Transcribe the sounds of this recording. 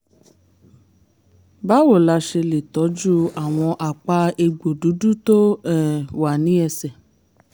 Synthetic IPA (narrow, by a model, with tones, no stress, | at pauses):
ba˦wo˦˨la˧ʃe˧le˨tɔ˨˦d͡ʒu˦a˨w̃ɔ̃˧ʔa˨k͡pa˧e˧ɡ͡bo˨du˨˦du˦to˦ɛ˦˨wa˨nĩ˨˦ɛ˧sɛ˨